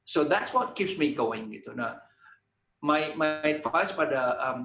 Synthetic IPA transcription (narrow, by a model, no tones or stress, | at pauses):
sod̪ætswɔt̚kipsmiɡoɪ̃ŋɡit̪una | majmajfaspadəʌ̃m